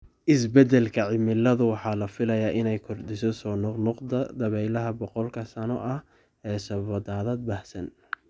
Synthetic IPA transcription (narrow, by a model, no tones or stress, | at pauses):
ʔɪsbɛd̪ɛlkʰɐʕɪmɪlɐðʊwɑħɑːlɐfɪlɐjaːʔɪnɛjkʰʊrd̪ɪsɔsɔːnɔqnʊqd̪ɐd̪ɐβɛjlɐɦɐbɔqɔlkʰɐsɐnɔʔɐh | ɛːsɐβɐd̪aːðɐːd̪̚baːhsɐn